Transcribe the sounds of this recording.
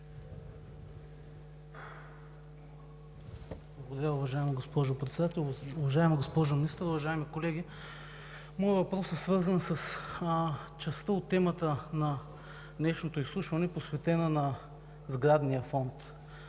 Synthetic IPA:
blˠɐɡod̪ɐɾʲaʊvɐʒaɛmɐɡospɔʒopɾɛt̪sɛd̪at̪ɛlʲˠʊvɐʒaɛmɐɡospɔʒʊminist̪əɾʊvɐʒaɛmikolɛɡ̟ʲi | mɔjəvɐpɾɔsɛsvɤɾzənsɐs | t͡ʃɛst̪əot̪ːɛmət̪ənɐ | nɛʃnot̪oislˠuʃvɐnɛposvɛt̪ɛnənɐ | zɡɾad̪nijəfɔnt̪

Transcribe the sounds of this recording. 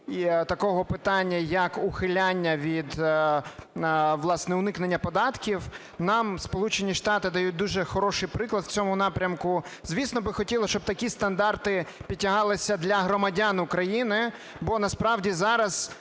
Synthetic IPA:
it̪ɐkɔɦɔpɪt̪ɑnʲːɐjɐkʊxɪlʲanʲːɐʋʲid̪ | ʋlˠɑsnɛʊnɪknenʲːɐpɔd̪ɑt̪kʲiw | nɑmspɔlˠut͡ʃenʲiʃt̪ɑt̪ɪd̪ɐjut̚ʲd̪uʒɛxɔɾɔʃɪjpɾɪklˠɐd̪wt͡sʲɔmʊnɑpɾʲɐmkʊzʲʋʲisnɔbɪxɔtʲilˠɐʃt͡ʃɔb̚t̪ɐkʲist̪ɐnd̪ɑrt̪ɪpʲitʲːɐɦɑlˠɪsʲɐd̪lʲɐɦɾɔmɐdʲanʊkɾɐjinɪ | bɔnɐspɾɑwdʲizɑɾɐz̥

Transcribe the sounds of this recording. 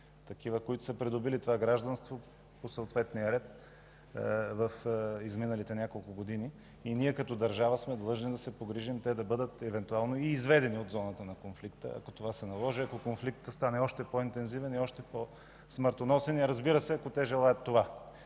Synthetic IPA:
t̪ɐkivəkoit̪ʊ̥səpɾid̪ʊbilit̪ovaɡɾaʒd̪ɐnst̪vo | posəot̪vɛt̪nijəɾɛt̪ | vəfizminɐlit̪ɛnʲjakolˠkʊɡod̪ini | iniɛkɐt̪ɔd̪ɐɾʒavəsmɛd̪lˠɤʒnid̪ɐsɛpoɡɾiʒimt̪ɛd̪ɐbɤd̪ət̪ɛvɛnt̪ualˠnoiːzvɛd̪ɛniod̪zɔnət̪ənɐkonflikt̪ə̰ɐ̰kot̪ovasɛnɐlˠɔʒiɐkokonflikt̪əst̪anɛɔʃt̪ɛpoint̪ɛnzivɛniɔʃt̪ɛpo | sməɾt̪onɔsɛniɐɾɐzbiɾəsɛɐkot̪ɛʒɛlˠajət̪ːova

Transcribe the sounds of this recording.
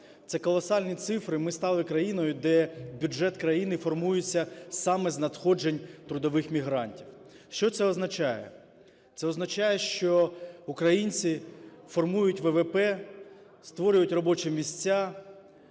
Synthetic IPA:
t̪sɛkɔlˠɔsɑlʲnʲit̪sɪfɾɪmɪst̪ɑlˠɪkɾɐjinɔjʊd̪ɛbʲʊd͡ʒɛt̪kɾɐjinɪfɔrmujet͡sʲːɐsɑmɛznɐd̪xɔd͡ʒenʲt̪ɾʊd̪ɔʋɪxmʲiɦɾɑnʲtʲiw | ʃt͡ʃɔt̪sɛɔznɐt͡ʃɑjɛ̰ | t̪sɛɔznɐt͡ʃɑjɛʃt͡ʃɔʊkɾɐjinʲt͡sʲifɔrmujʊtʲʋɛʋepɛ | st̪ʋɔɾʲʊjʊtʲrɔbɔt͡ʃɛmʲisʲt͡sʲːa

